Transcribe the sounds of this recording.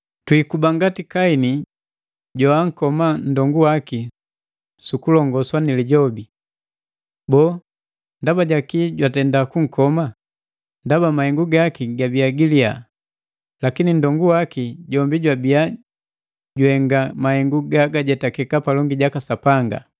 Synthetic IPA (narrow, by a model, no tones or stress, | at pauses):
twikubaŋɡatikaini | ɟawaŋ̩kɔman̩dɔŋɡuwaki | sukulɔŋɡɔswaniliɟɔbi | bɔ | ndabaɟakiɟwatɛndakuŋ̩kɔma | ndabamahɛŋɡuɡakiɡabiaɡilia̰ | lakinin̩dɔŋɡuwakiɟɔmbiɟwabia | ɟuhɛŋɡamahɛŋɡuɡaɡaɟɛtakɛkapalɔŋɡiɟakasapaŋɡa̰